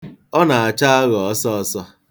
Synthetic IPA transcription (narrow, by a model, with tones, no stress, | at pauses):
ɔ˦na˨a˨t͡ʃa˦a˦ɣɔ˨ɔ˦sɔ˦sɔ˦